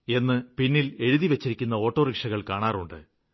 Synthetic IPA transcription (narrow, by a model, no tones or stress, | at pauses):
e̞nːɨpinːile̞ɻuðiʋɐt͡ɕːiɾikʲːunːɐo̞ːʈːo̞ːrikʂɐɣɐɭkaːɳaːruɳɖɨ̰